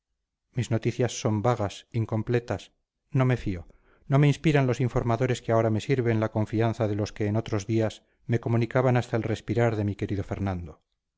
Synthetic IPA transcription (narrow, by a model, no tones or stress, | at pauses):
mizno̞t̪iθjasːo̞mbaɣasiŋko̞mple̞t̪as | no̞me̞fio̞ | no̞meinspiɾanlo̞siɱfo̞ɾmaðo̞ɾe̞skeao̞ɾame̞siɾβe̞nlako̞ɱfianθaðe̞lo̞ske̞ːno̞t̪ɾo̞zðias | me̞ko̞mũnikaβanast̪aelre̞spiɾaɾðe̞mike̞ɾiðo̞fe̞ɾnãnd̪o